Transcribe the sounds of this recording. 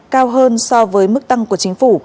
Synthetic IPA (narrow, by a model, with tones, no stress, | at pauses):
kaː˧wɦəː˧nsɔ˧vəː˨˦jmɨ˦˥k̚t̪a˧ŋku˧˩ət͡ɕï˨˦ŋ̟fu˧˩